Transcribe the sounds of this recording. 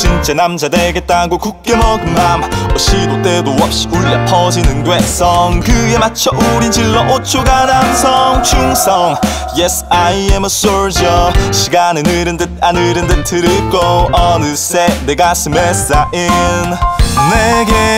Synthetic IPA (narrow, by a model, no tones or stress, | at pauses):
t͡ɕint͡ɕ͈enamd͡ʑadeɡet̚t͈aɡokuk̚k͈emʌɡɯmamoɕ͈idot̪͈edowʌp̚ɕ͈i̥uɭːepʰʌd͡ʑinɯndwes͈ʌŋɡɯemat͡ɕʰʌʔuɾind͡ʑiɭːʌʔot͡ɕʰoɡanansʰʌŋt͡ɕuŋsʰʌŋ | jesaiemʌs͈ɔɹd͡ʑiʌɕiɡanɯnɯɾɯndeanɯɾɯndetʰɯɾɯɭk͈ʌʌnɯs͈eneɡasɯmes͈aʔinneɡe